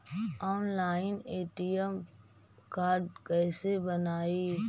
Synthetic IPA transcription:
ɔːnlaːɪneːʈijəm | kaːɾɖkɛːsebənaːi

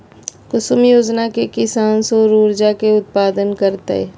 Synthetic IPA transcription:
kʊsʊmjoːd͡ʒnakekɪsaːnsoɾuːɾd͡ʒakeʊt̪̚paːd̪ənkəɾt̪eɛ̰

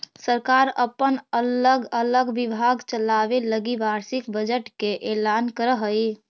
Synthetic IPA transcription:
səɾkaɾəpənələɡələɡbibʱaɡt͡ʃəlabeləɡiʋaɾsikbəd͡ʒəʈkeʔelankəɾəɦəj

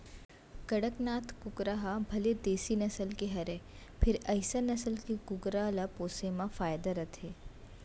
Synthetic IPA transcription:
kɐɽəknaːt̪ʰkʊkɾaɦabʱɐled̪eːsinɐsəlkeɦɐɾeː | pʰɪɾɐɪsanɐsəlkikʊɡɾaːlapoːsemãfaːjd̪aɾɐt̪ʰeː

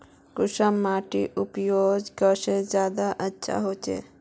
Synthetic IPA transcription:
kʊʃəmːaːʈiʔʊpjoːd͡ʒkəʃed͡ʒjaːd̪aʔətːʃʰa̰ɦoːt͡ʃḛː

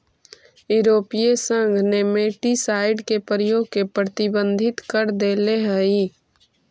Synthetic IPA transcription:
jʊɾoːpijesə̃ŋɡʱnemeːʈisaːɪɖkepəɾəjoːɡ̚kepɾət̪ɪbə̃nd̪ʱɪt̪kəɾd̪eːleɦɛi

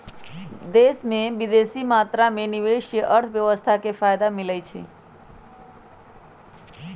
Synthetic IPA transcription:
d̪esmẽʋid̪esimat̪ɾameniʋeʃjəʔəɾt̪ʰʋjəʋəst̪ʰakefajd̪amɪlajt͡ʃʰḛ

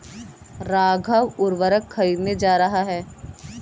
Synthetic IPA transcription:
ɾaːɡʱəʋʊɾʋəɾəkʰːɐɾiːd̪ned͡ʒaːɾɐɦaɦɛː

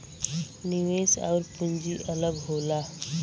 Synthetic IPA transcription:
niʋeːsɔ̰ːɾpuɲd͡ʒiʔələɡɦoːlaː

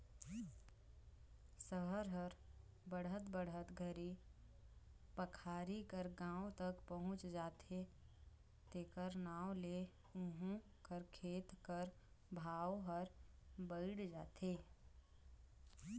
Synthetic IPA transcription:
səɦəɾɦəɾ | bəɽ̤ət̪bəɽ̤ət̪ɡʱəɾi | pəkʰaːɾikəɾɡãːõt̪əkpəɦʊ̃t͡ʃd͡ʒaːt̪ʰe | t̪eːkəɾnaːwle | ʊɦũ | kəɾkʰeːt̪kəɾbʱaːwɦəɾbəɪɽd͡ʒaːt̪ʰeː

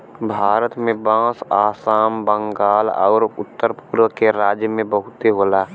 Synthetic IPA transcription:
bʱaːɾət̪mẽbãːsaːsaːmbə̃ŋɡaːlɔ̰ːɾʊt̪ːəɾpuːɾʋəkeɾaːd͡ʒjəmẽbəɦʊt̪eɦoːlaː

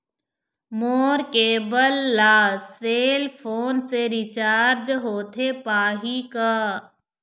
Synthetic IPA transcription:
moːɾkeːbəlːaːseːlpʰoːnseɾɪt͡ʃaːɾd͡ʒɦoːt̪ʰepaːɦikaː

